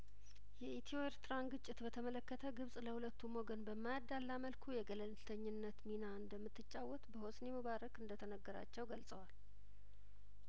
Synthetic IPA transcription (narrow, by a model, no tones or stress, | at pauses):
jɛit̪ʰioeɾt̪ɾanɡɨt͡ʃʼːɪt̪bət̪ʰəmələkːət̪ʰəɡɨβsʼləhulət̪ʰːumo̞ɡənbəmːajad̪ːalːaməlkʰujɛɡələnt̪ʰəɲːɪnːət̪minaɨnd̪əmːɨt̪ːɨt͡ʃʼːawːɔt̪bəhosneməβaɾəkɨnd̪ət̪ʰənəɡːəɾa̰t͡ʃːɛwɡəlsʼəwal